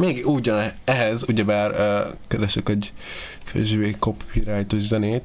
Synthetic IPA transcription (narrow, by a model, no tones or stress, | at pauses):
meːɡuːɟɒnɛɦɛzuɟɛbaːrøːkɛɾɛʃykɛɟfø̰ʒʋeːkopʰiɾaːjt̪oʒzɛneːt̪